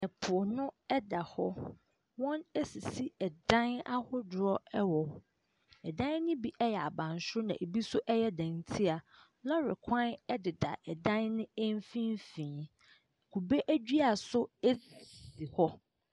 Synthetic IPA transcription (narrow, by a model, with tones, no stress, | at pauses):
ɛ˨pʰʊ˨ɔ˨nʊ̃˦ɛ˦da˨hɔ˦ | wɔ̃˦ne˦si˨si˦ɛ˨dã˦na˦hʊ˦dʊ˨ɾɔ˦ɛ˦wɔ˨ | ɛ˨dã˦n˦nɪ̃˦bi˦ʔɛ˦jɛ˨a˨bã˨n˨sʊ˦nã˨ʔe˨bi˦sʊ˦ʔɛ˦jɛ˦dã˨n˨tʰi˦a˨ | lɔ˦ɾɪ˨kʰã˦nɛ˦dɪ˨da̰˨ʔɛ˨dã˦nnɪ̃˦e˦m˦fĩ˦n˦fĩ˨ | kʰu˨be˦ʔæ˦d͡ʑᶣi˦a˨sʊ˦e˦ssi˨hɔ˦